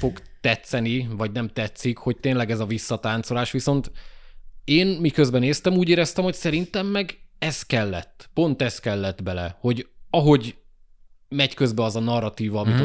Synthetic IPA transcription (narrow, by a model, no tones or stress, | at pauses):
fo̞ɡt̪ɛt̪sɛnivɒɟnɛmt̪ɛt̪sikho̞c̚t̪eːnlɛɡɛzɒvisːɒt̪aːnt̪so̞laːʃʋiso̞nt̪ | eːnmikø̞zbɛneːst̪ɛmuːɟeːɾɛst̪ɛmho̞csɛɾint̪ɛmːɛɡɛskɛlːɛt̪ːpo̞nt̪ɛskɛlːɛt̪bɛlɛ̰ho̞ɟɒɦo̞ɟ | mɛɟkøzbɛɒzɒnɒrːɒt̪iːvɒmit̪